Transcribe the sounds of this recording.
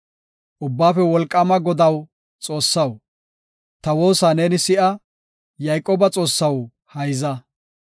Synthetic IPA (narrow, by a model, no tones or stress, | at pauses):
ʔʊbːaːfɛwɔlkʼːɐmɐɡɔd̪ɐw | t͡sʼo̞ːsːɐw | t̪ɐwo̞ːsaːneːnɪsɪʔɐ | jɐjkʼoːbɐt͡sʼo̞ːsːɐw | hɐjzɐ